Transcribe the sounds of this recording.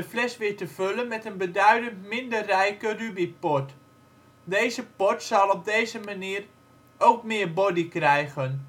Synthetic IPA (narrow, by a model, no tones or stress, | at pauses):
əflɛsʋɪːɹtəv̥ølənmɛtənbədœɥdəntmɪndərɛjkərybipɔt | dejzəpɔtsɑlˠɔb̚dejzəmaniːər | owkmɪəɹbɔdikrɛjɣən